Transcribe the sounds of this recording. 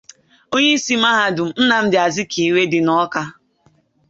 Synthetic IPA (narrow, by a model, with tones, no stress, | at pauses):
o˦ɲe˦si˦m̩˦a˦ɦa˨dʊ˨m̩˨˦n̩˦na˨m̩˦dɪ˨a˨zɪ˦kʰi˨we˦dɪ˨nɔ˦ka˦